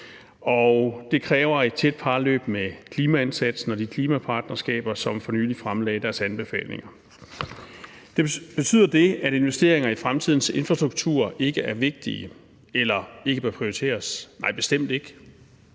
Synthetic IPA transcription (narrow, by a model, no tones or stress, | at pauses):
ɒʊd̥e̝kʰʁɛːʊɐe̝d̥̚t͡sʰed̥̚pʰɑ̈ːlø̰ːb̥mekʰliːmæensæd̥sn̩ɒ̽d̥ikʰliːmæpʰɑ̈ːd̥nɐsɡ̥ɛ̰ːb̥ɐsɒ̽mfɒ̽ny̰ːlifʁamlɛ̰ːd̥æɐsænb̥e̝fɛ̰ːlne̝ŋɐ | d̥e̝b̥e̝t͡sʰy̰ð̰ˠɐd̥e̝æɾ̥e̝nʋesd̥e̝̰ːɐeŋɐifʁamt͡sʰið̞̰ˠn̩se̝nfʁɑsd̥ʁuɡ̥̚t͡sʰṵɐ̰ʔe̝ɡ̥əæɐʋe̝ɡ̥̚d̥iə | elɐe̝ɡ̥əb̥ɶɐpʰʁioit͡sʰe̝̰ːɐsnɑ̈ɪ̰b̥e̝sd̥em̰d̥e̝ɡ̥ə